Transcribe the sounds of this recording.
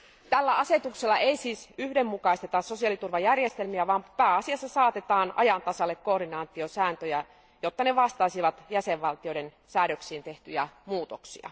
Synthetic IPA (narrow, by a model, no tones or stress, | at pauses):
t̪ælːæɑset̪ukselːɑʔeisiːsyhdemːukɑist̪et̪ɑsso̞siɑlit̪urʋɑjærjest̪elmiæʋɑːmpæːɑsiɑsːɑsɑːt̪et̪ɑːnɑ̰jɑnt̪ɑsɑlːekkoːrinɑːnt̪iosæːnt̪øjæ | jot̪ːɑneʋɑst̪ɑisiʋɑt̪jæseʋʋɑlt̪ijoiɾen | sæːɾøksiːnt̪e̞ht̪yjæmuːt̪oksḭɑ̰